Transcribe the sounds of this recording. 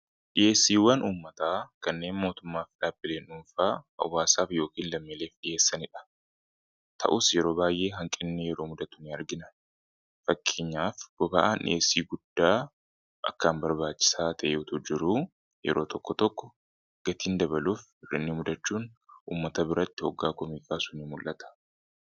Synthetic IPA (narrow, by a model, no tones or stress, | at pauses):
ᶑɪjʔe̞ːsːiːwɐnuːmːɐt̪aːkɐnːe̞ːnmo̞ːt̪ʊmːaːfᶑaːbːɪle̞ːnʊmfaːɐ̰wːaːsaːfjo̞ːkiːnlɐmːɪle̞ːfᶑɪje̞ːsːɐnɪᶑɐ̥ | t̪ʰɐ̰ʔʊsjɛɾo̞ːbaːjʔe̞ːɦɐŋkʼɪnːɪjɛɾo̞ːmʊd̪ɐt̪ʊnɪɐɾɡɪnɐ | fɐkʰːeɲːaːfɡ̥ɔbaʔaːnʔɪ̰ʔeːsiːɡʊd̪̥ːaː | ʔɐ̰kːaːmbɐɾbaːt͡ʃːɪ̥saːt̪ʰɐʔeʊt̪ʊd͡ʒɪɾu | jɛ̰ɾo̞ːt̪ɔkːɔt̪ɔkːɔ | ɡ̥ɐt̪iːnd̪ɐbɐluːf | ɪrɪ̰nːɪmʊd̪ɐt͡ʃːuːnʔuːmːɐt̪ɐbɪɾɐt̪ːɪhɔɡːaːkɔmiːkʼaːsʊnɪmʊlʔɐt̪ɐ̥